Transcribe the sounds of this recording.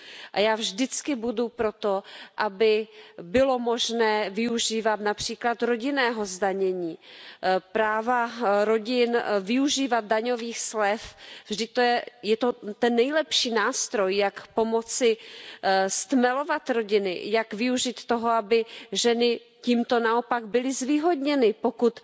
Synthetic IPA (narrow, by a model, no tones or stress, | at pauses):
ʔajaːvʒdɪt͡skɪbudupɾo̞t̪oʔabɪbɪlo̞mo̞ʒnɛːvɪuʒiːvat̪napr̝̥iːklat̪ɾo̞ɟɪnɛːɦo̞zdaɲɛɲiː | pɾaːvaɾo̞ɟɪnvɪuʒiːvat̪̚daɲo̞viːxslɛfvʒdɪt̪ːojɛjɛt̪ot̪ɛnːɛjlɛpʃiːnaːst̪ɾo̞jːakpo̞mo̞t͡sɪ | st̪mɛlo̞vat̪ɾo̞ɟɪnɪ̰jakvɪuʒit̪t̪ːoɦo̞abɪʒɛnɪ | ciːmt̪o̞nao̞paɡbɪlɪzviːɦo̞dɲɛnɪpokut̪